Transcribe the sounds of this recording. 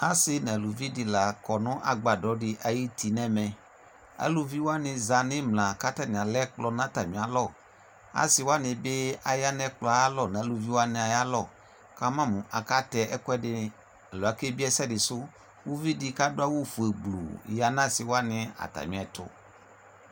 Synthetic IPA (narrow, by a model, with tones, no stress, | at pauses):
a˦sɪ˦nɛ̃˨lu˨vi˦dɪ˨la˨kɔ˨nʊ̃˦ʔa˨ɡ͡ba˨dɔ˨˦dɪ˦ʔa˨ji˦tʰi˨nɛ̃˦mɛ̃˨ | a̰˨lu˨vi˦wa˦nɪ̃˨za˨nɪ̃˦mlã˨ka˦ta˦˨mɪ̃˨a˨lɛ˦k͡plɔ˦nã˦ta˨mĩ˨a˨˦lɔ˦˨ | a̰˦sɪ˨wa˦nɪ̃˨bɪ˦a˨ja˦nɛ̃˦k͡plɔ˨a˨a˦lɔ˦˨nɛ̃˨˦lu˨vi˦wa˦nɛ̃˨a˨ja˦lɔ˦˨ | ka˦mã˦mũ˨ʔa˨ka˦tɛ˨ʔɛ˦kʊ˦ɛ˦dɪ˦ | ɛ˨lɔ˨a˨ke˦bi˦ɛ˦sɛ˦˨dɪ˨sʊ˦ | wu˦vi˦dɪ˦ka˦dʊ˦a˦wu˦fu˨e˨ɡ͡blṵ˨ja˦nã˦sɪ˨wa˦nɪ̃˦a̰˨ta̰˨mĩ˨˦ɛ˨tʰʊ̰˦